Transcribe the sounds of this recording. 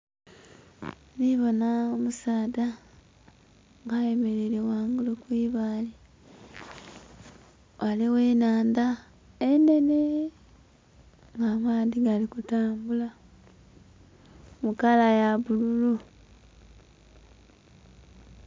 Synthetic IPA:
niβo̞naomusaːda | ŋɡaje̞me̞ɾeɾewaːŋɡulokwiːβaːli | wʔaliweːnaːnd̪a | ene̞ne | ŋɡamaːðiɡalikutaːmbula | mukalajaβululu

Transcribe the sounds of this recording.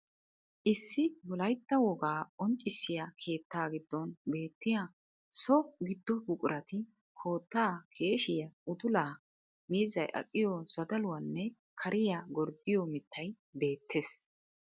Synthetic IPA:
ʔɪsːɪwɔlɐjt̪ːɐwɔɡaːɔnt͡ʃʼːɪsːɪjakʰe̞ːt̪ːaːɡɪd̪ːɔnbe̞ːt̪ːɪja | sɔɡɪd̪ːɔbʊkʼʊɾʔɐt̪ɪ | kʰo̞ːt̪ːaːkʰe̞ːʃɪjɐʊd̪ʊlaː | miːzɐjʔɐ̰kʼːɪjɔz̥ɐd̪ɐlʊwɐnːɛ | kʰɐɾʔɪjaɡɔɾd̪ɪjɔmɪt̪ʰːɐj | be̞ːt̪ʰːeːs

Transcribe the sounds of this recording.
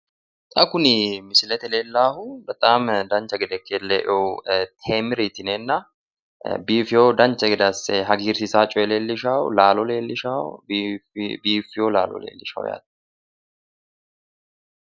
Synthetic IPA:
t̪ʼɐkːʊnɪmɪsɪlɛt̪ɛleːlːaːhʊbɐt̪ʼaːmd̪ɐnt͡ʃɐɡɛd̪ɛkːeːlːeːʔot̪ʰeːmɪɾit̪ɪnɛnːɐ | biːfɪjod̪ɐnt͡ʃɐɡɛd̪ɐsɛɦɐɡiːɾsɪsaːt͡ʃʼɔjɛleːlːɪʃaːwʊ̰laːlɔleːlːɪʃaːwbbiːfɪjoːlaːlɔ̰lḛːlːɪʃa̰ːwʊ̰ja̰ːd̪

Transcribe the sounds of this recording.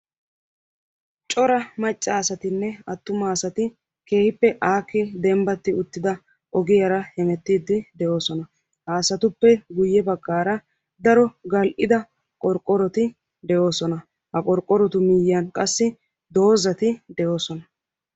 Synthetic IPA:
t͡ʃʼɔɾɐmɐt͡ʃʼːaːsɐt̪ɪnːɛɐt̪ːʊmaːsɐt̪ɪ | ke̞ːhɪpːɛʔaːkːɪd̪ɛmbɐt̪ːɪʊt̪ːɪd̪ɐ | ʔɔɡɪjɐɾɐhɛmɛt̪ːiːd̪ːɪd̪ɛjo̞ːsɔnɐ | haːsɐt̪ʊpːɛɡʊjːɛbɐɡːaːɾɐ | d̪ɐɾɔɡɐlʔɪd̪ɐ | kʼɔɾkʼɔɾɔt̪ɪ | d̪ɛo̞ːsɔnɐ | hɐkʼɔɾkʼɔɾɔt̪ʊmiːjɐnkʼɐsːɪ | d̪o̞ːzɐt̪ɪd̪ɛjo̞ːsɔnɐ

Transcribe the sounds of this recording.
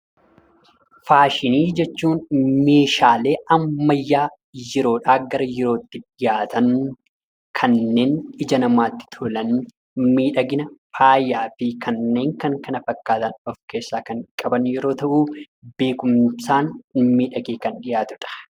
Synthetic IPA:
faːʃɪniːd͡ʒɛt͡ʃːuːnme̞ːʃaːle̞ːɐmːɐjːaː | jɪɾo̞ːᶑaːɡɐɾɐjɪɾoːt̪ːɪᶑɪjaːt̪ɐn | kʰɐnːe̞ːnɪd͡ʒɐnɐmaːt̪ːɪ̥t̪ʰʊlɐn | miːᶑɐɡɪnɐfaːjːaːfɪkɐnːe̞ːŋkɐŋkɐnɐfɐkːaːt̪ɐnɔfke̞ːsːaːkɐŋkʼɐbɐnjɛɾo̞ːt̪ɐʔuː | be̞ːkʊmsaːnmiːᶑɐɡeːkɐnᶑɪjaːt̪ʊᶑɐ̥

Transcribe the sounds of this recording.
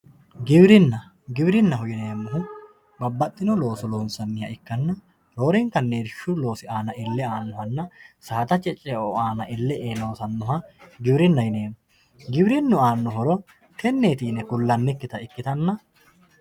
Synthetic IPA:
ɡɪbɾɪnːɐ | ɡɪbɾɪnːɐɦʊjɪneːmːʊɦʊ | bɐbːɐt̪ʼːɪnɔlo̞ːsɔloːnsɐnːɪjɐ̰ɪkːɐnːɐ | lo̞ːɾɛŋkɐnːeːdʃʊlo̞ːsɪaːnɐɪlːɛaːnːʊɦɐnːɐsaːt̪ɐt͡ʃʼɛt͡ʃʼːɛoaːnɐʔɪlːɛʔeːno̞ːsɐnːɔhɐɡɪbɾɪnːɐjɪneːmʊ | ɡɪbɾɪnːʊaːnːʊɦɔɾɔ | kʰɛnːeːt̪iːnɛkʊlːɐnːɪkːɪt̪ɐɪkːɪt̪ɐnːɐ

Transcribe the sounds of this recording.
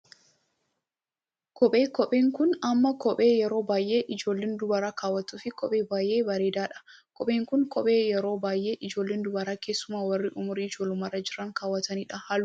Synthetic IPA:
kʰɔɓʼeːkɔpʼeːŋkʊnɐmːɐkɔpʼe̞ːjɛɾo̞ːbaːjʔeːʔɪd͡ʒo̞ːlːeːnd̪ʊbɐɾaːkaːwːɐt̪uːfɪkɔpʼeːbaːjʔeːbɐɾeːd̪aːᶑɐ̥kʰʼɔɓʼe̞ːŋkʊnkʰʼɔɓʼe̞ːjɛɾo̞ːbaːjʔe̞ːʔɪd͡ʒo̞ːlːeːnd̪ʊbɐɾaːkeːsːʊmaːwɐrːɪʔʊmʊɾiɪd͡ʒoːlʊmaːrɐd͡ʒɪɾɐŋkaːwːɐt̪ɐniːᶑɐhɐl

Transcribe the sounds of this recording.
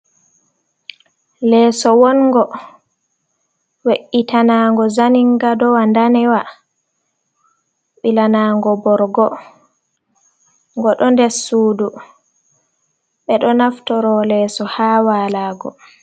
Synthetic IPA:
lɛːsɔwɔnŋɡɔ | weʔitanaŋɡɔzaniŋɡadɔwandanɛwa | ɓilanaːŋɡɔbɔɾɡɔ | ŋɡɔɗɔndɛɾsuːdu | ɓɛɗɔnaftɔɾɔlɛːsɔhaːwaːlaːɡɔ̰

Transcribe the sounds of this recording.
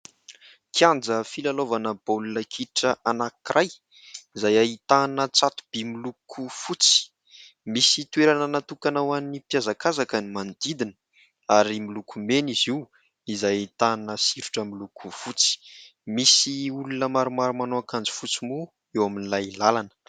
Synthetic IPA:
kiand͡zəfilalovanəb̥olunəkʰiʈ͡ʂəʔanakirʔaj | izajait̪anət͡sat̪u̥b̥imilukʰufut͡si̥ | misit̪weɾanənat̪ukanawanipjazakazakənimand̪id̪inə̥ | aɾimilukʰumeniziw | izajit̪anəsiɾuʈ͡ʂamilukʰufut͡si̥misiulunəmaɾumaɾumanoakand͡zi̥fut͡simu | ewaminilajlalanə̥

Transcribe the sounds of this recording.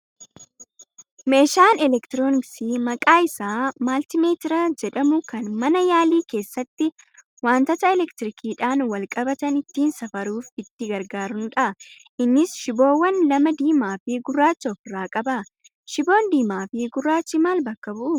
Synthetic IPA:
me̞ːʃaːnɛlɛkt̪ɪɾoːnɪksiːmɐkʼaːɪsaːmaːlt̪ɪmeːt̪ɪɾɐd͡ʒɛᶑɐmʊkɐnmɐnɐjaːliːke̞ːsːɐt̪ːɪ | waːnt̪ɐt̪ɐɛlɛkt̪ɪɾɪkʰiːᶑaːnwɐlkʼɐbɐt̪ɐnɪt̪ːiːnsɐfɐɾuːfɪt̪ːɪɡɐɾɡaːɾʊnᶑɐʔ | ʔɪnːɪsʃɪbo̞ːwːɐnlɐmɐd̪iːmaːfiɡʊrːaːt͡ʃːɔfɪrːaːkʼɐbɐ | ʃɪbo̞ːnd̪iːmaːfiːɡʊrːaːt͡ʃːɪmaːlbɐkːɐbʊʔʊ

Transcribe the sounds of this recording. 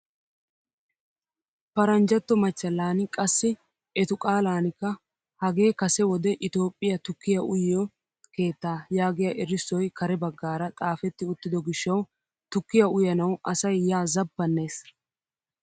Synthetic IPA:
pɐɾɐnd͡ʒɐt̪ːɔmɐt͡ʃːɐlːaːnɪkʼɐsːɪ | ɛt̪ʊkʼaːlaːnɪkːɐ | hɐɡe̞ːkɐsɛwɔd̪ɛʔɪt̪o̞ːpʼːɪjɐt̪ʊkːɪjɐʔʊjjɔ | ke̞ːt̪ːaːjaːɡɪjaʔɛɾɪsːɔjkɐɾɛbɐɡːaːɾɐt̪ʼaːfɛt̪ːɪʊt̪ːɪd̪ɔɡɪʃːɐw | t̪ʊkːɪjɐʊjɐnɐwʔɐsɐjːaːzɐbːɐnːe̞ːs

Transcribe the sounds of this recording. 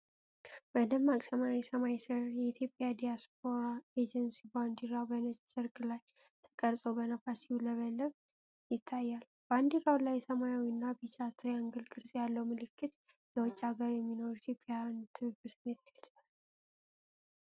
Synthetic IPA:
b̥əd̪əmːakʼsəmawisəmajisɨɾjɛit̪ʰjo̞pʼːjad̪ijasp̚ʰo̞ɾaed͡ʒɛnsiband̪iɾabənɨsʼt͡ʃʼɪɾkʼlaj | t̪ʰə̥kʼəɾsʼobənafasiwuləβəlːəβ | jɪt̪ʰːajːal | b̥and̪iɾawlajːɛsəmajawinːabit͡ʃʼat̪ʰɾjaŋɡɨlkʼɨɾsʼjalːəwmɨlɨkːɨt̪ | jɛwɔt͡ʃʼːaɡəɾjɛmːino̞ɾuit̪ʰjo̞pʼejant̪ʰɨβɨbɨsɨmːet̪ʰlsa

